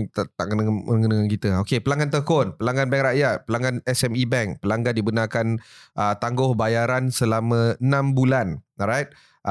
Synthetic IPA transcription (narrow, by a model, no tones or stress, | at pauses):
t̪at̪a̰ʔkənəəŋɡənəkankit̪əokepəlaŋɡant̪əkʊnpəlaŋɡanbɛŋɾaʔjat̪̚pəlaŋɡanɛsɛmibɛŋk̚pəlaŋɡandibənakanʔət̪aŋɡʊhbajaɾansəlamə̃ənãmbulanrajt̪̚ | ʔ